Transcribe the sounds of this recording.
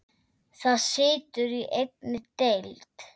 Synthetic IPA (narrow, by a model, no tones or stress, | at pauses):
θaðsɪːt̪ʏɾiʔejtnɪt̪ejlt̪